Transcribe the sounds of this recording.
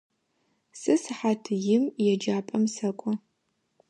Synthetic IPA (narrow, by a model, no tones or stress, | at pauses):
sɨsɨħatʰɨjɪmjɛd͡ʒaːpʼɐmsɐkʷʼɔ